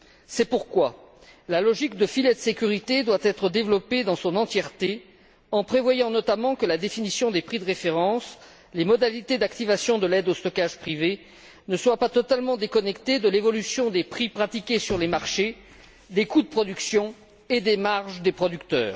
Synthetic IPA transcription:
sɛpuʁkwa | lalɔʒikd̪əfiled̪əsekʲyʁit̪ed̪wat̪ɛt̪χəd̪evlɔped̪ɑ̃sɔ̃nɑ̃t̪jɛʁt̪e | ɑ̃pχevwajɑ̃nɔt̪amɑ̃kəlad̪efinisjɔ̃d̪epχid̪əʁefeʁɑ̃s | lemɔd̪alit̪ed̪akt̪ivasjɔ̃d̪əlɛd̪ost̪ɔkaʒpχive | nəswapat̪ɔt̪almɑ̃d̪ekɔnɛkt̪ed̪əlevɔlysjɔ̃d̪epχipχat̪ikʲesyʁlemaʁʃe | d̪ekud̪əpχɔd̪yksjɔ̃ | ed̪emaʁʒd̪epχɔd̪ykt̪œːʁ

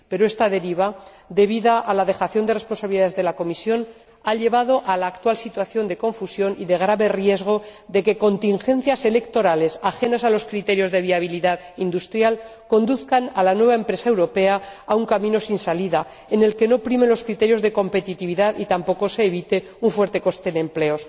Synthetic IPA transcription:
pe̞ɾoe̞st̪aðe̞ɾiβ̞a | ðe̞βiðaʔalaðe̞xaθjo̞nd̪e̞re̞spo̞nsaβiliaðezðe̞lako̞misjo̞n | aʎe̞β̞aðo̞ʔalaːkt̪walsit̪waθjo̞nd̪e̞ko̞ɱfusjo̞niðe̞ɣ̞ɾaβe̞rje̞zɣ̞o̞ðe̞ke̞ko̞nt̪iŋxẽ̞n̟θjase̞le̞kt̪o̞ɾale̞saxe̞nasalo̞skɾit̪e̞ɾjo̞zðe̞β̞iaβ̞iliðað | ind̪ust̪ɾjal | ko̞nd̪uθkanalanwe̞β̞ae̞mpɾe̞sae̞wɾo̞pe̞aauŋkamĩno̞sinsaliða | ene̞lke̞nopɾime̞nlo̞skɾit̪e̞ɾjo̞zðe̞ko̞mpe̞t̪it̪iβ̞iðaðit̪ampo̞ko̞se̞ːβit̪e̞ | uɱfwe̞ɾt̪e̞ko̞st̪e̞ne̞mple̞o̞s

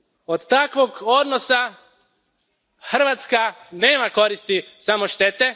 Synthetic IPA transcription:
od̪t̪akʋo̞ɡo̞d̪nosa | xr̩ʋaːt̪skane̞ːmako̞ɾist̪isamo̞ʃt̪et̪e

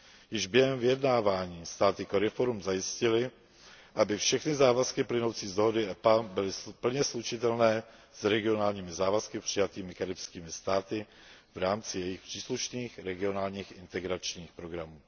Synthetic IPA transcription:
jɪʒbjɛɦɛmvɪjɛdnaːvaːɲiːst̪aːt̪ɪkoɾɪfo̞ɾumzajɪscɪlɪ | ʔabɪfʃɛxnɪzaːvaskɪplɪno̞wt͡siːzd̪o̞ɦo̞dɪɛpabɪlɪpl̩ɲɛslut͡ʃɪt̪ɛlnɛː | sɾɛɡɪo̞naːlɲiːmɪzaːvaskɪpr̝̥ɪjat̪iːmɪkaɾɪpskiːmɪst̪aːt̪ɪ | vɾaːmt͡sɪjɛjɪxpr̥iːsluʃniːxɾɛɡɪo̞naːlɲiːxʔɪnt̪ɛɡɾat͡ʃɲiːxpɾo̞ɡɾamuː

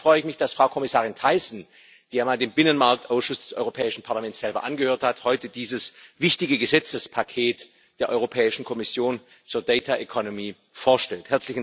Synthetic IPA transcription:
fʁ̥ɔʏəɪçmɪçd̥asfʁ̥aʊkʰɔmɪsaːʁɪntʰaɪsn̩ | d̥iːjaːmaːldeːmbɪnənmaɐk̚tʔaʊsʃʊsd̥ɛsʔɔ̰ʏʁopʰɛːɪʃn̩pʰaɐlamɛnt͡ssz̥ɛlbɐʔanɡəhøːɐthathɔʏtəd̥iːzəsvɪçtɪɡəɡəzɛt͡səspʰakʰeːt | d̥eːɐʔɔʏʁopʰɛːɪʃn̩kʰɔmɪsjoːn | t͡suːɐdɛɪtʰaʔekʰɔnomiː | foːɐʃtɛlthɛɐt͡slɪçn

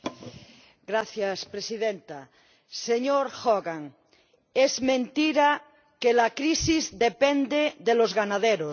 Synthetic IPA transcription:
ɡɾaθjaspɾesiðent̪a | seɲoɾxoɣaŋ | ezmẽnt̪iɾa | kelakɾisizd̪epend̪eðelozɣanaðeɾo

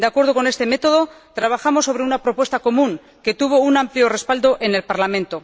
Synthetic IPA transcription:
d̪eakwe̞ɾð̞oko̞ne̞st̪e̞me̞t̪o̞ð̞o̞ | t̪ɾaβ̞axamo̞sːo̞βɾe̞unapɾo̞pwe̞st̪ako̞mũŋ | ke̞t̪uβ̞o̞unampljore̞spald̪o̞ʔe̞nelpaɾlamẽ̞nt̪o̞

